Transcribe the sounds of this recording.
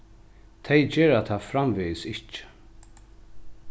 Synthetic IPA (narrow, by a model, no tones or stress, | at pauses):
t̪ʰɛjd͡ʒɛːɾat̪ʰaːfɾamvɪːsɪht͡ʃɪ̥